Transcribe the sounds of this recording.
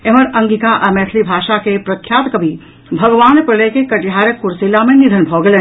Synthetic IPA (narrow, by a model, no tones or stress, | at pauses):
emɐɾɐ̃ŋɡit̪aʔɐmɛːt̪ʰlibʱaːʃakepɾɐkʰjaːt̪kɐbʱi | bʱɐɡʋaːnpɾɪlekekɐʈiɦaːɾjəkːʊɾsilamẽnɪd̪ʱənbʱɔːɡele